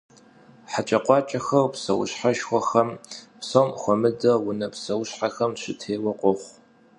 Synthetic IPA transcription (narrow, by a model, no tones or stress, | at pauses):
ħat͡ʃʼɐqʷɑːt͡ʃʼɐxɐwpsɐwʊ̰ɕħaʃxʷɔxɐmpsomxʷɔmɨdɐwʊnɐpsɐwʊɕħaxɐmɕɨtʰeːwɐqʷʼʊχʷ